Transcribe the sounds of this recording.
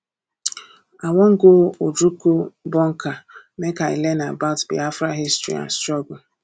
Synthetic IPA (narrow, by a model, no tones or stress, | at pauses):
aŋʷɔŋ̩ɡood͡ʒukobɔŋ̩ka | mekaḭlenabatbḭafɾaɦistɾḭa̰nstɾɔɡʊ